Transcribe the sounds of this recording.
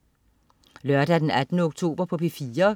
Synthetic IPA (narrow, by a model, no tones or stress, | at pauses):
lɶɐd̥æd̥enæd̥nəoɡ̥̚t͡sʰo̝̰ːb̥ɐpʰɒ̽pʰefiːɐ